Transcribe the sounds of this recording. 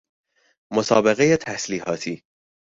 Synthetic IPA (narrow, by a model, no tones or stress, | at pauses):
mosɒ̰ːbe̞ɣejet̪ʰæsliːhɒːt̪ʰiː